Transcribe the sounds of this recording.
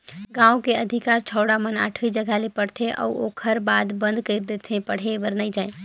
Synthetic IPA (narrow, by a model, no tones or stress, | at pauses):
ɡãːokeəd̪ʱɪkaːɾt͡ʃʰɔːɽaməna̰ːʈʰʋid͡ʒəɡʱalepəɽt̪ʰeʔɔ̰ːoːkʰəɾbaːd̪bə̃nd̪kəɪɾd̪et̪ʰẽpəɽ̤ebəɾnaid͡ʒaːe